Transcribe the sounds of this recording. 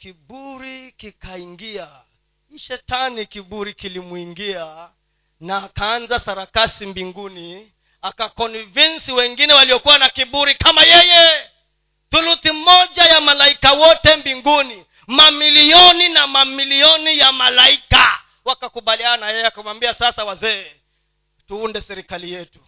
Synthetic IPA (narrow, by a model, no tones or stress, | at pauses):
kiɓuɾikikaiŋɡia | iʃɛtanikiɓuɾikilimuiŋɡia | naːkaanzasaɾakasimbiŋɡuni | akakɔnivinsiwɛŋɡinɛwaliɔkuwanakiɓuɾikamajɛjɛ | θuluθimɔʄajamalaikawɔtɛmbiŋɡuni | mamiliɔninamamiliɔnijamalaika | wakakuɓalianajɛjɛakamwambiasasawazɛː | tuundɛsɛɾikalijɛtu̥